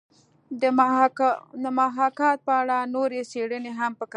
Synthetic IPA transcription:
ə | d̪əmaɦɑkɑt̪̚pəaɽanoɾeseɽəneɦampəka

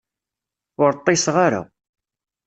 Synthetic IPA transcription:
ʊɾt̪ˤːɪsʁaɾa̰

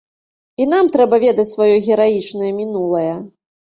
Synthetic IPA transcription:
inamt̪ɾɛbɐvʲɛd̪ɐt͡sʲsvajɔɣʲɛɾajit͡ʂnɐjɐmʲinulˠɐjɐ

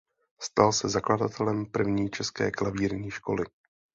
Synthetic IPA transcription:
st̪alsɛzakladat̪ʰɛlɛmpr̩vɲiːt͡ʃɛskɛ̰ːklaviːɾɲiːʃko̞lɪ

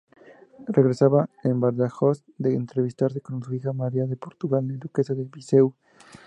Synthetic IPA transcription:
reɣɾesaβaembaɾðaxos | d̪eːnt̪ɾeβ̞ist̪aɾsekonsuixamaɾiaðepoɾt̪uɣalnaðukesaðelβisew

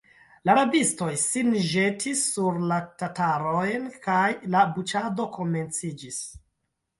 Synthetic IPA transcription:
laɾabisto̞jsinʒe̞tʰisːuɾlatataɾo̞jnkajlabut͡ʃado̞kʰo̞me̞nt͡sid͡ʒis

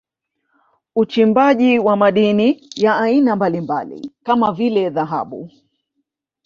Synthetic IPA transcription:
ut͡ʃimbaʄiwamaɗinijaːinambalimba̰lḭkamavilɛðaɦa̰ɓṵ

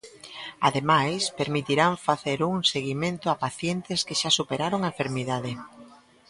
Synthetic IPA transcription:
aðemajspeɾmit̪iɾaɱfaθeɾuŋseɣimẽnt̪oapaθjent̪eskeʃasupeɾaɾoŋaeɱfeɾmiðaðe

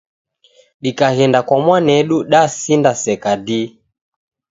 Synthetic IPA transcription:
ɗikaɣɛndakwamwanɛɗuɗasindasɛkadi

